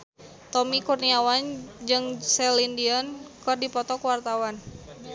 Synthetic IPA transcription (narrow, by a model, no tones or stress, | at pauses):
t̪ɔmikurniawand͡ʒɨŋsɛlindiɔnkɨrdipɔt̪ɔkuwart̪awan